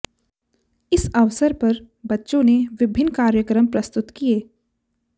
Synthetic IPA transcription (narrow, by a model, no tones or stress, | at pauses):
ɪsɐʋsəɾpɐɾ | bɐtːʃõneʋɪbʱɪnːkaːɾjəkɾəmpɾɐst̪ʊt̪kijeː